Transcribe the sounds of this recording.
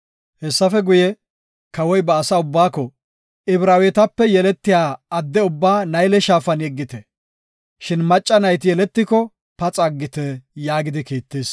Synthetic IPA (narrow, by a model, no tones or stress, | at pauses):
hɛsːɐfɛɡʊjɛ | kɐwɔjbɐːsaːʊbːaːkːɔ | ɪbɾaːwɛt̪ɐpːɛjɛlɛt̪ːɪjaːɐd̪ːɛʊbːaːnɐjlɛʃaːfɐnɛɡːɪt̪ɛ | ʃɪnmɐt͡ʃʼːɐnɐjt̪ɪjɛlɛt̪ːɪkɔ | pɐt͡sʼɐɡːɪt̪ɛjaːɡɪd̪ɪkiːt̪ːeːs